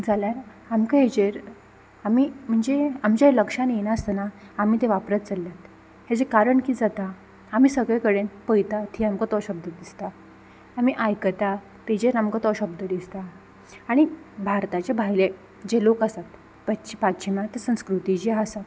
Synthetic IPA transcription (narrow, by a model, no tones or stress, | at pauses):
d͡zaljaɾ | amkəɦed͡ʑeɾ | amiːm̤əɳd͡zeamt͡ɕjaləkʂanjenaəst̪ənaamiːt̪eʋapɾət̪t͡səljat̪ | ɦed͡zekaɾəɳkid͡zat̪aː | m̤iːsəɡɭjakəɽenpəjt̪at̪ʰiːamkət̪ɔɕəb̚d̪ʱəd̪ist̪a | amiʔajkət̪a | t̪ed͡ʑeɾamkat̪ɔɕəb̚d̪ʱəd̪ist̪a | aɽ̃i | bʱaɾt̪at͡ɕabʱajle | d͡ʑelokasat̪ | pat͡ɕipatt͡ɕʰimat̪esə̃w̃skɾut̪id͡ʑiasa